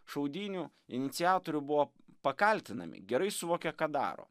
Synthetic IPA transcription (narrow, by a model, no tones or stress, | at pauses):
ʃɐʊd̪ʲiːnʲu | ɪnʲɪt̪sʲɪjɑːt̪oːɾʲʊbʊʋoː | pɐkɐlʲt̪ʲɪnɐ̰mʲɪ̰ɡʲɛɾɐɪsʊʋoːkʲɛkɑːd̪ɑ̰ːɾo̰ː